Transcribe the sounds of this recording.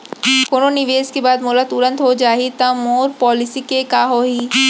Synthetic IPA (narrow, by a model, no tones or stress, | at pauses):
koːnonɪʋeːskebaːd̪molət̪ʊɾə̃nt̪ɦod͡ʒaːɦit̪ɐmoːɾpɔːlɪsikekaːɦoːɦiː